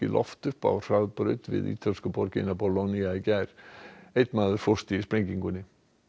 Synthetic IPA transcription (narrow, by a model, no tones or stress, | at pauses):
ɪ̰lʔɔ̰ft̪ʏhpa̰wr̥awðpɾʏt̪vɪ̰ðḭːt̪ʰalskʏpɔɾcɪ̰napɔloniaicajɾ̥ejt̪maːðʏɾ̥fɔ̥st̪ispɾeɲciŋkʏnːɪ